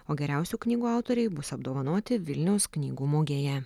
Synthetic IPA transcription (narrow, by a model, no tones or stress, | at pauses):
oːɡʲɛɾʲæˑʊsʲuːknʲiːɡuːɑˑʊt̪ɔːɾʲɛɪbʊsɐbd̪oːʋɐnoːt̪ʲɪʋʲɪlʲnʲɛʊsknʲiːɡuːmoːɡʲeːjɛ